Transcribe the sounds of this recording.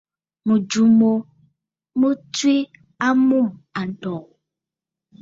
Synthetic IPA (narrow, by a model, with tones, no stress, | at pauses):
mũ˨d͡ʒu˨mo˨ | mũ˦tu˦i˦ | a˦mũ˦ma˨ɖɔ˨